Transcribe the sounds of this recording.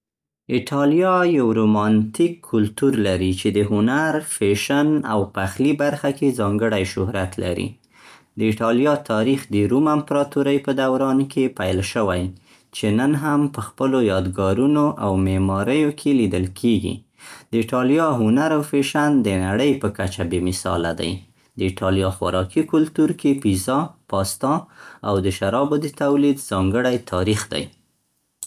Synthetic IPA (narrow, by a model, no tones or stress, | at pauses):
ɪʈʰɑlijɑjawɾomɑnt̪ikʰːʊlt̪uɾlaɾit͡ʃed̪əɦʊnaɾfeʃana̰wpəaxlibaɾxakʰezɑŋɡəɽajʃʊhɾat̪lʔa̰ɾḭ | d̪əɪʈɑljɑt̪ʰɑɾixd̪əɾumampɾɑt̪uɾəjpəd̪awɾɑnkʰepajlʃəwaj | t͡ʃenənɦampəxpəlojɑd̪ɡɑɾunoʔawmemɑɾəjokʰelid̪əlkʰeɡḭ | d̪̥əɪʈɑljɑɦʊnaɾawfeʃand̪ənaɽəjpəkat͡ʃabemɪsɑ̰lad̪a̰j | d̪əɪʈɑlijɑxwa̰ɾɑkikʊlt̪uɾkepizɑpɑst̪ɑawd̪əʃaɾɑbod̪ət̪awlid̪z̥ɑŋɡəɽajt̪ʰɑɾixd̪a̰j